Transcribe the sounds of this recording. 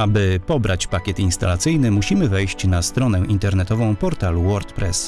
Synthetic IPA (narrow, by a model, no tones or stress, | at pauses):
abɘpɔbɾʔat͡ɕpakʲjɛt̪inst̪a̰lat̪sɘjnɘmuɕimɘvɛjɕt͡ɕnast̪ɾɔnɛʔint̪ɛɾnɛt̪ɔvɔ̃w̃pɔɾt̪aluwɔɾt̪pɾɛs